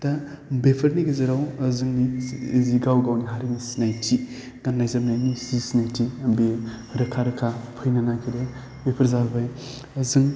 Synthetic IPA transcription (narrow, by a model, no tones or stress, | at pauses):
tabepʰɐɾniɡɐzɐɾawɐzɯŋniziɡawɡawniɦaɾinisi̥najtʰi | ɡ̥anːajzabnajnizisinajtʰiɐbe | ɾɐkʰaɾɐkʰapʰɯjnanakʰiɾe | bepʰɐɾzaɾbaj | ɐzɯŋ